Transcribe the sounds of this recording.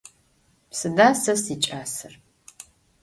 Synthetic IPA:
psɨdaːsɐsiːt͡ʃʼaːsɨr

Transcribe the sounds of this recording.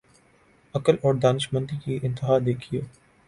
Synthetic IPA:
ɐkəlɔːɾd̪aːnɪʃmə̃nt̪ikiʔɪ̃nt̪ɪɦaːd̪eːkʰijoː

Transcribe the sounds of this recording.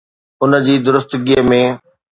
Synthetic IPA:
ʊnə̆d͡ʑiːd̪ʊɾʊst̪ɡiɦəmẽː

